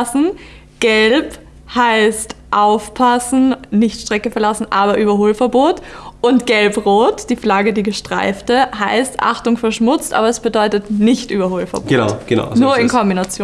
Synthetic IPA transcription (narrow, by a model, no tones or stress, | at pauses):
sn̩ | ɡ̥ɛlp | haɪstʔaʊfpʰasn̩nɪçtʃtʁ̥ɛkəfɛɐlasn̩ʔaːbɐʔyːbɐɦoːlfɛɐboːtʔʊntɡ̥ɛlpʁoːtd̥iːflaɡədiːɡəʃtʁ̥a̰ɪftəɦaɪstʔa̰χtʊŋfɛɐʃmʊt͡stʔa̰ːbɐɛsb̥ədɔʏtətnɪçtʔyːbɐhoːlfɛɐb̥əna̰ʊɡna̰nuːɐɪnkʰɔmbinat͡sjoː